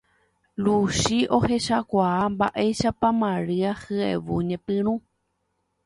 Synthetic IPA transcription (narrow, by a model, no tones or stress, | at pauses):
luʃiʔo̞he̞ʃakʷaamba̰ʔe̞jʃapãmãɾɨahɨḛʋuɲẽpɨ̃ɾ̃ũ